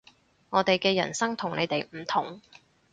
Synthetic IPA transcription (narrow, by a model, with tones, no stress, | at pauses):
ŋɔː˨˧t̪e˨jkɛː˧jɐ̰˨˩nsɐ˥ŋt̪ʰʊ˨˩ŋnḛ˨˧jt̪e˨jm̩˨˩t̪ʰʊ˨˩ŋ